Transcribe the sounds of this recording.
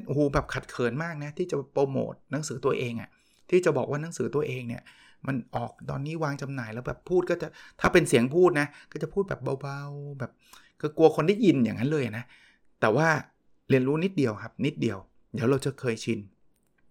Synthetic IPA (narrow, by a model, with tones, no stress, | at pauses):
ʔoː˨˩bɛː˨˩p̚kʰa˨˩t̪̚kʰɤː˩˦nmaː˥˩k̚na˦˥t̪ʰiː˥˩t͡ɕa˨˩bpoː˧mo̰ː˨˩t̪̚na˨˦˥ŋsɯː˩˦t̪u˧ɐʔeː˧ŋʔa̰˨˩ | t̪ʰiː˥˩t͡ɕa˨˩bɔː˨˩k̚waː˥˩na˨˦˥ŋsɯː˩˦t̪u˧ɐʔeː˧ŋni˥˩ɐ | ma˧nʔɔː˨˩k̚t̪ɔ̰ː˧nːiː˦˥˩waː˧ŋt͡ɕa˧mnaː˨˩jlɛː˦˥wbɛː˨˩pʰːuː˥˩kɔː˥˩t͡ɕa˨˩t̪ʰaː˥˩pe˧nsi˨˩˦əŋpʰuː˥˩t̪̚na˦˥kɔː˥˩t͡ɕa˨˩pʰuː˥˩bɛː˨˩p̚ba˧wba˧wbɛː˨˩p̚ | kʰɯː˧ku˧ɐkʰo˧nda˥˩ji˧njaː˨˩ŋːa˦˥nlɤː˧jʔa˨˩na˦˥ | t̪ɛː˨˩waː˥˩ | li˧ənɾuː˦˥ni˦˥t̪̚di˧əwkʰa˦˥p̚ni˦˥t̪̚di˧əw | diː˨˦˥wɾa˧wt͡ɕa˨˦kʰɤː˧jt͡ɕʰi˧n